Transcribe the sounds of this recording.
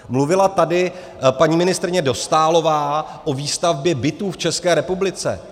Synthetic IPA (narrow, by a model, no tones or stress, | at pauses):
mluvɪlat̪adɪ | paɲiːmɪnɪst̪ɾɪɲɛdo̞st̪aːlo̞vaːʔo̞viːst̪avbjɛbɪt̪uːft͡ʃɛskɛːɾɛpublɪt͡sɛ̰